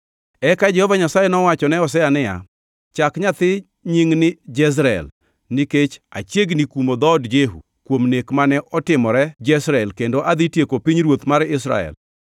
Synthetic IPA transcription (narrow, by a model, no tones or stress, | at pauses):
ɛkad͡ʒɛhɔvaɲasajɛnɔwat͡ʃɔnɛɔs̬ɛanɪja̰ | t͡ʃakɲat̪ɪ | ɲiŋnɪd͡ʒɛs̬ɾaɛ̰l | niket͡ʃa̰t͡ʃjeɡnikumod̪ɔdd͡ʒeɦṵ | kwomnekmanɛʔɔtɪmɔɾɛd͡ʒɛsɾaɛlkendoʔad̪itjekopiɲɾwot̪maɾɪs̬ɾa̰ɛ̰l